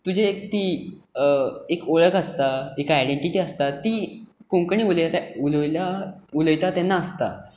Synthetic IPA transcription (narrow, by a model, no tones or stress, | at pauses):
t̪ud͡ʑʱeːk̚t̪i | ekoɭəkəst̪aekajɽeɳʈiʈiːəst̪at̪iːkõŋkɳ̃iːululjlauləjt̪at̪ɛnːaːst̪a